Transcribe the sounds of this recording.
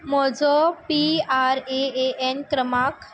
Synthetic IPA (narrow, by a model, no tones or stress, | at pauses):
mɔd͡zɔpiaɾeeʔenkɾəmak